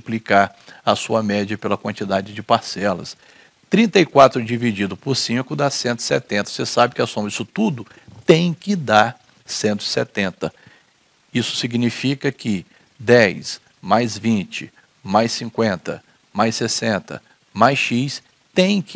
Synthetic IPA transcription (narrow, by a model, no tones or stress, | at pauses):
plikaɾɐsuɐmɛd͡ʒiɐpelɐkwɐ̃nt͡ʃid̪ad͡ʒɪd͡ʒɪpaɾsɛlɐ̰s | t̪ɾĩnt̪ɐikwat̪ɾʊd͡ʒivid͡ʒid̪ʊpʊɾsĩkʊd̪asẽnt̪ʊɪ̥sɛ̰t̪ẽnt̪ɐosesabɪkɪasõmɐd͡ʒisʊt̪ud̪ʊ | t̪ẽj̃kɪd̪aɾ | sẽnt̪ʊɪ̥sɛt̪ẽnt̪ɐ | isʊ̥siɡnifikɐkɪ | d̪ɛjs | majzvĩt͡ʃɪ | majsĩkwẽnt̪ɐ̰ | majsesẽnt̪ɐ̰ | majsʃis | t̪ẽj̃k